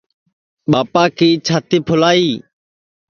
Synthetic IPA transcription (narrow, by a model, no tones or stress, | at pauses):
ɓaːpaːkʰiːt͡ʃʰaːt̪iːpʰʊlaːiː